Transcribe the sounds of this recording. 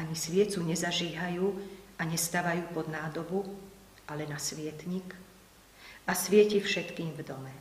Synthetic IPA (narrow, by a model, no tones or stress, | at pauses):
aɲisʋɪɛt͡suɲɛzaʒiːɦajuːaɲɛst̪aːʋajuːpɔd̪naːd̪ɔbu | ʔalɛnasʋɪɛt̪ɲik | asʋɪɛcifʃɛt̪kiːmvd̪ɔmɛ